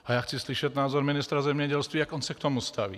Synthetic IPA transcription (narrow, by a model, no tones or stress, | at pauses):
ajaxt͡sisliʃɛɟnaːzɔɾminist̪ɾazɛmɲɛɟɛlst̪ʋiaɡɔnsak̚t̪ɔmust̪aʋḭ